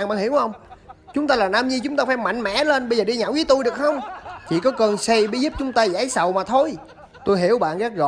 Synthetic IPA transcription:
nɓa̰ː˨nhi˧˩əwhə˧wŋ͡mt͡ɕʊ˨˦ŋ͡mt̪aː˧laː˨˩naː˧mɲi˧t͡ɕʊ˨˦ŋ͡mt̪aː˧faː˧˦jma̰˧˨jŋ̟mɛ̰˧˥le˧nɓə˧jzəː˨˩ɗi˧ɲaː˨˧˨wvi˨˦ət̪u˧jɗɨ˨˩ək̚xə˧wŋ͡mt͡ɕḭ˧˨kɔ˨˦kə˧˩nsɛ˧jɓi˧˦zu˦˥p̚t͡ɕʊ˨˦ŋ͡mt̪aː˧zaː˨˦jsə˨wmaː˨˩t̪ʰo˧j | t̪o˧jɦi˧˩əwɓa̰ː˧˨nɣaː˦˥k̚ɣɔ̰˧

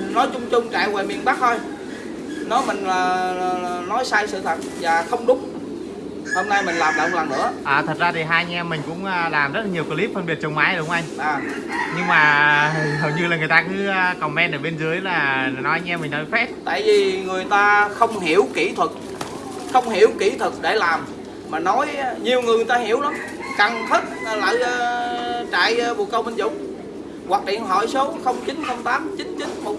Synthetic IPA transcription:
nɔ˨˦jt͡ɕʊ˧ŋ͡mt͡ɕʊ˧ŋ͡mt͡ɕa̰ː˧˩jwe˨˩mi˨˩ənɓaː˦˥k̚t̪ʰo˧j | nɔ˨˦mï˨˩ŋ̟aː˨˩˨ | nɔ˨˦jsaː˧jsɨ̰˧˨t̪ʰə˨˩t̚vaː˨˩xə˧wŋ͡mɗʊ˨˦ŋ͡m | ho˧mna˧jmï˨˩ŋ̟laː˨˩mɗə̰ː˨˩wlaː˨˩nɨ̰˧˥əʔaː˨˩t̪ʰə˨˩t̚zaː˧t̪ʰi˨˩ɦaː˧ja˧ŋɛ˧mːï˨˩ŋ̟kʊ̰˧˥ŋ͡mʔəː˧laː˨˩mzə˦˥t̚laː˨˩ɲi˨˩əwkə˧li˦˥p̚fə˧nɓi˨˩ət̚t͡ɕə˨˩ŋ͡mmaː˨˦jɗŋ͡mʔa˧jŋ̟ʔaː˨˩ | ɲɨ˧ŋmaː˨˩ɦə˨˩wɲɨ˧laː˨˩ŋɨ˨˩əjt̪aː˧kɨː˨˦˧kə˨˩wŋ͡mmɛ˧nʔəː˧˩ɓe˧nzɨ˨˦əjlaː˨˩˨nɔ˨˦jʔa˧˦ɲɛ˧mï˨˩nnɔ˨˦jfɛ˦˥t̚t̪a̰ː˧˨jvi˨˩ŋɨ˨˩əjt̪aː˧xə˧wŋ͡mɦi˧˩˨əwki˧˩t̪ʰwə˨˩k̚ | xə˧wŋ͡mhi˧˩əwki˧˩t̪ʰɨ˨˩k̚ɗe˧˩laː˨˩m | maː˨˩nɔ˨˦jɲi˨˩əwŋɨ˨˩əŋ˨˩jt̪aː˧ɦi˧˩əwla˨˦m | ka˨˩ŋt̪ʰi˦˥t̚ːla̰ː˧˨jːt͡ɕa̰ː˧˨jvṵ˨kə˧wmə˧nzʊ̰˧˨wŋ͡m | wa˨˩k̚lḭ˧˨ənɦɔ̰˧˩jso˨˦wxə˧wŋ͡mt͡ɕi˨˦nxə˧wŋ͡mt̪aː˨˦mt͡ɕi˨˦nt͡ɕi˨˦nxə˧

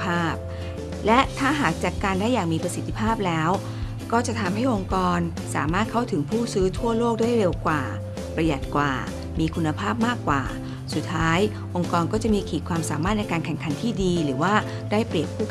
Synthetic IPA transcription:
aː˥˩p̚ | lɛ˦˥t̪ʰaː˥˩ɦaː˨˩k̚t͡ɕa˨˩ʔkaː˧ndaː˥˩jːaː˨˩ŋmiː˧pɾa˧si˨˩˦t̪ʰːi˧pʰaː˥˩p̚lɛː˦˥w | kɔː˥˩t͡ɕa˨˩t̪ʰa˧mha˥˩jʔo˧ŋkɔː˧n | saː˨˩˦maː˥˩t̪̚kʰa˥˩wt̪ʰɯ˩˦ŋpʰuː˥˩sɯː˦˥t̪ʰu˥˩ɐloː˥˩k̚daː˥˩jɾe˧wkwa̰ː˨˩ | pɾa˧ja˨˩t̪̚kwa̰ː˨˩ | miː˧kʰu˧nːa˧pʰaː˥˩p̚maː˥˩kːwa̰ː˨˩ | su˨˩t̪ʰːaː˦˥j | ʔo˧ŋkɔː˧nkɔː˥˩t͡ɕa˨˩ʔmiː˧kʰiː˨˩kʰwaː˧msaː˨˩˦maː˥˩t̪̚nɛ˧jkaː˧nkʰɛ˨˩ŋkʰa˨˩˦nt̪ʰiː˥˩diː˧ɾɯː˩˦waː˥˩ | daː˥˩jpɾi˨˩əp̚kʰuː˥˩

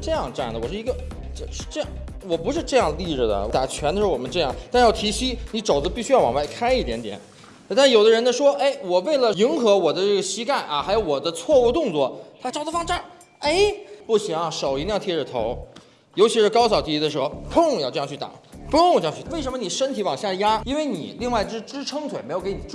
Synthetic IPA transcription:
ʈ͡ʂɤ˥˧jɑ˥˧ŋʈ͡ʂa˥˩nd̪ə˩wɔ˨˩ʂɻ̩˥˧i˧˥ɡə˧˥˧ | ʂ̩˥˧ʈ͡ʂɤ˥˧jɑ˥˩ŋ | wɔ˨˩pu˧˥ʂ̬ɻ̩˥˧ʈ͡ʂɤ˥˧jɑ˥˩ŋd̪ə˧li˥˧ɻɻ̩˥˩d̪ə̰˩wɔ˧˦t̪a̰˨˩t͡ɕʰɥɛ˧˥nd̪ə˧ɻ̩˧˥˩wɔ˨˩mə˦nʈ͡ʂɤ˥˧jɑ˥˩ŋt̪a˥˧nɻ̩˥jɑ˥˩i˧˥ɕi˥ni˧˥ʈ͡ʂo˨˩ʊdə˥pi˥˩ɕy˥jɑ˥˩ʊwɑ̰˨ŋwa˥˩ɪkʰa˥ɪi˥˩t̪jɛ˧˥nt̪jɛ̰˨˩˦n˥˧ | t̪a˥˩˥jo˨˩ʊd̪ə˦ɻə˧˥nd̪ə˧ʂwɔ˥ʔe˥˩ɪwɔ˨˩we˥˩ɪlə˩i˧˥ŋxɤ˧˥wɔ˨˩d̪ə˦ʈ͡ʂɤ˥˩ɡə˩ɕi˥ka˥˩nʔɐ˧xa˧˥ɪjo˧˥ʊwɔ˨˩d̪ə˦t͡sʰwɔ˥˧u˥˧t̪ʊ˥˧ŋt͡swɔ˥˩t̪ʰa˥ʈ͡ʂɑ˥ʊd̪ə˧fɑ˥˧ŋʈ͡ʂa˥˩n | e˥˩ɪpu˥˩ɕi˧˥ŋɐ˧ʂo˨˩ʊi˧˥ljɑ˥˧ŋt̪ʰjɛ˥˩ʈ͡ʂə˨˩t̪ʰo˧˥ʊ | jo˧˥ʊt͡ɕʰi˧˥ʂɻ̩˥˧kɑ˥ʊsɑ˨˩ʊt̪ʰi˧˥i˧˥d̪ə˧ʂɻ̩˧˥xo˧pʰʊ˥˧˨ɑ˥˧ʈ͡ʂɤ˧ɑ˥˧t͡ɕʰy˥˩t̪a̰˨˩˦pʰu˧˥˧t͡ɕ̪ʰwe˥˩ɪʂ̬ə˧˥mə˧ni˨˩ʂə˥nt̪ʰi˧˥wɑ˨˩ŋɕjɑ˥˧ja˥i˥nwe˥˧ɪnḭ˨˩˦li˥˧ŋwa˥ɪt͡ɕʂɻ̩˥˧ʈ͡ʂɻ̩˥ʈ͡ʂʰɤ˥ŋt̪ʰwe˨˩ɪm˧˥jo˧˥kɪni˨˩ʈ͡ʂu˥˩

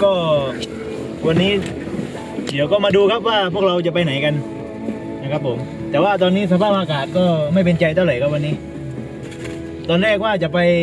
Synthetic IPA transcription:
kɔː˥˩ | wa˧nːiː˦˥ | di˨˦əwkɔː˥˩maː˧duː˧kʰa˦˥p̚waː˥˩pʰu˥˩ək̚ɾa˧wt͡ɕa˨˩pa˧jna˩˦jka˧n | na˧˩kʰa˦˥pʰːo˩˦m | t̪ɛː˨˩waː˥˩t̪̬ɔː˧nːiː˦˥s̬a˧pʰaː˥˩p̚ʔaː˧kaː˨˩t̪̚kɔː˥˩ma˥˩jpe˧nt͡ɕa˧jt̪ʰa˥˩wɾa˨˩˦jkʰa˥p̚wa˧nːiː˦˥ | t̪ɔː˧nɾɛː˥˩k̚waː˥˩t͡ɕa˨˩pa˧j

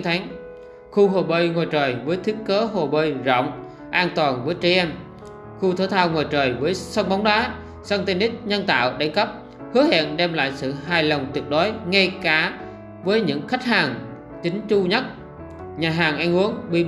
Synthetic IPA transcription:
ŋt̪ʰa˨˦ŋ | xu˧ɦo˨˩ɓəː˧jŋo˨˩jt͡ɕəː˨˩jvəː˨˦jt̪ʰi˨˦˥ək̚kəː˨˦ɦo˨˩ɓəː˧˩jzɔ̰˧˨wŋ͡m | ʔaː˧nt̪waː˨˩nvəː˨˦jt͡ɕe˧ʔɛ˧m | xu˧t̪ʰəː˧˦t̪ʰaː˧wŋo˨˩jt͡ɕəː˨˩jvəː˨˦jsə˧wŋ͡mɓa˨˦wŋ͡mɗaː˨˦ | saː˧ŋt̪i˧nʔ̪ï˦˥k̟̚ɲə˧nt̪a̰ː˧˨wɗa˨˦ŋkə˦˥p̚ | hɨ˨˦əhɛ̰˧˨nɗɛ˧mla̰ː˧˨jsɨ̰˧˨ɦaː˨˩jlə˨˩wŋ͡mt̪i˨˩ək̚ɗo˨˦jŋa˧jkaː˧˩ | vəː˨˦jɲɨ̰˧˥ŋxa˦˥jk̟̚haː˨˩ŋ | t͡ɕï˨˦ŋ̟t͡ɕu˧ɲə˦˥t̚ | ɲaː˨˩ɦaː˨˩ŋʔa˧ŋʔu˨˦əŋɓi˧

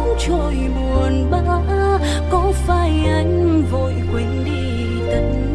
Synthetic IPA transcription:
ŋ͡mt͡ɕo˧˨˩jmu˨˩ənɓa˧ | kɔ˨˦faː˧˩jʔa˨˦jŋ̟vo˧˨jkwe˨˦nɗi˧ | t̪ə˨˦ŋ̟

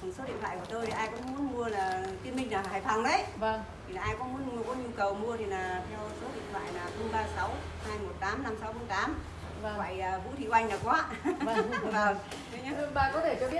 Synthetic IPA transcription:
ə˨˩nso˨˦ɗḭ˧˨ət̪ʰwa̰ː˧˨kət̪o˧jt̪ʰi˨˩ʔaː˧jkʊ̰˧˥ŋ͡mm˨˦ənmu˧əlaː˨˩t̪i˧ənmi˧ŋ̟naː˨˩ɦaː˨˩jfʰa˨˩ŋɗə˨˦jvə˧˩ŋʰi˨˩naː˨˩ʔaː˧jkɔ˨˦mu˨˦ən˧kɔ˨˦ɲu˧kə˨˩wmu˧ət̪ʰi˨˩naː˨˩t̪ʰɛ˧wso˨˦ɗḭ˧˨ənt̪ʰwa̰ː˧˨jnaː˨˩xə˧ŋ͡mɓaː˧sa˨˦w | haː˧jmo˨˩t̚t̪aː˨˦mna˧msa˨˦wxə˨˧˦ŋ͡mt̪aː˨˦m˧˩ | wa̰ː˧˨jəː˨˩vṵ˧˥t̪ʰḭ˧˨ʔa˧jŋ̟naː˨˩kɔ˨˦˧ | vəː˨˩ŋ | t̪ə˨˦ɲa˦˥˧ɓa̰ː˧˨˩kɔ˨˦t̪ʰe˧˩t͡ɕɔ˧ɓi˦˥ə

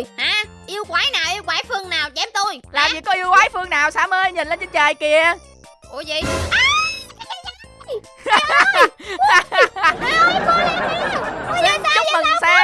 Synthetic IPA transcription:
haː˨˩ | ʔi˧əwkwaː˨˦jnaː˨˩wʔi˧əwkwaː˨˦jfɨ˧əŋnaː˨˩wt͡ɕɛ˨˦mt̪o˧jlaː˨˩mvi˨˩kːɔ˧˦ʔi˧əwkwaː˨˦jfɨ˧əŋnaː˨˩wsaː˨˧˦məː˧jɲi˨˩nle˧nt͡ɕə˨˧˦t͡ɕəː˨˩jki˧˩ə | ʔo˨˩˦jzi˧˨ʔ | zə˦ə˨˩ŋ˨˧˦saː˧

